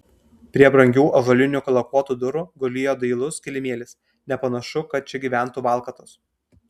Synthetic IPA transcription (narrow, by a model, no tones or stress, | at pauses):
pʲɾʲiɛbɾɐŋʲɡʲuːʔɐʒɐlʲɪnʲukɐlˠɐkuɔt̪uːd̪ʊɾuːɡʊlʲɪjoːd̪ɐɪlˠʊskʲɪlʲɪmʲeɛlʲɪs | nʲɛpɐnɐʃʊkɐt̪̚t͡ʃʲɛɡʲiːʋʲæˑnˑt̪uːʋɑˑlˠkɐt̪ʊs